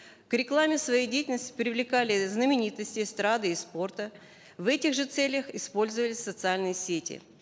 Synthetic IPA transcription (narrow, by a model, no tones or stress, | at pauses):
kɾʲɪklˠamʲɪsvɐjejdʲejtʲɪlʲnəsʲtʲɪ̥pɾʲɪvlʲɪkalʲɪznəmʲɪnʲit̪əsʲtʲɪst̪ɾad̪ɨɪspo̞rt̪ə | vɛtʲɪɣʐɨt̪sɛlʲjəxɪspo̞lʲzəvəlʲɪsʲsət̪sɨalʲnɨjəsʲetʲɪ̰